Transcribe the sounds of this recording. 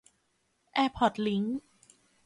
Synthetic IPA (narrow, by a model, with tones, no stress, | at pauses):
ʔɛː˧pʰɔ˨˩t̪̚li˦˥ŋ